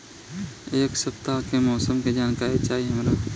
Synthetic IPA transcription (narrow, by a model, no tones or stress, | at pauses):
eːksɐpt̪akemɔːsəmked͡ʒaːnkaːɾet͡ʃaːɦiɦɐmɾaː